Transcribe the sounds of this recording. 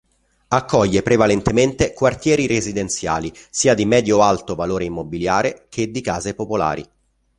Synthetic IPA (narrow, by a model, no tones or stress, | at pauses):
akʰːɔʎːepɾevalent̪ement̪ekwart̪jɛːɾirezid̪ent̪sja̰ːlisiːad̪imɛːd̪joalt̪ovaloːɾeimːobiljaːɾekʰed̪ːikaːzepopola̰ːɾḭ